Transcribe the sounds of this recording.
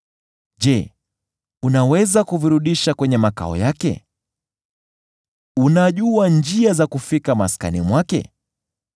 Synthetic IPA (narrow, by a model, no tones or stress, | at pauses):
ʄɛ | unawɛzakuviɾuɗiʃakwɛɲɛmaka̰ɔ̰jakɛ̰ | unaʄuand͡ʒiazakufikama̰ska̰nimwakɛ̰